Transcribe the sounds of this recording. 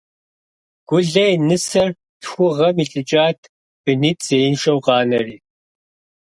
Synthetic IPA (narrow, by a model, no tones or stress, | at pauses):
ɡ̥ʷʊɮɐjnɨsɐr | txʷʊʁɐmiɬʼɨt͡ʃʼaːtʰ | b̥ɨniːtʰz̥eːjɪnʃɐwqɑːnɐriː